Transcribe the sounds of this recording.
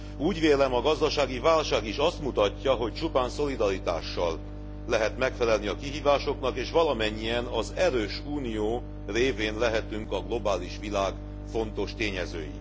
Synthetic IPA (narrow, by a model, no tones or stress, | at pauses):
uːɟʋeːlɛmɒɡɒzd̪ɒʃaːɡivaːlʃaːɡiʃɒst̪mut̪ɒcːɒɦo̞c̚t͡ʃupaːnso̞lid̪ɒɾit̪a̰ːʃːɒlː | ɛɦɛt̪mɛkfɛlɛlniɒkiɦiːvaːʃo̞kn̪ɒkeːʃʋɒlɒmɛɲːijɛnɒzɛɾøːʃuːnijoː | reːveːnlɛɦɛt̪yŋkɒɡlo̞baːliʃʋilaːɡ | fo̞nt̪o̞ʃt̪eːɲɛzø̰ːjḭ